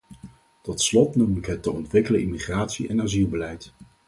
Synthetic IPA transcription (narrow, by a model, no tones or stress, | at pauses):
tɔtslɔtnumɪkɦətəɔntʋɪkələimiχraːtsiʔɛnaːzilˠbəlɛjt